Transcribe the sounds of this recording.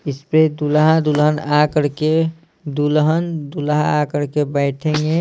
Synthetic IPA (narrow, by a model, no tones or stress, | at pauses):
ɪsped̪ulɦãd̪ulɦənakəɾke | d̪ulɦənd̪ulɦãakəɾkebəɪʈʰẽŋɡe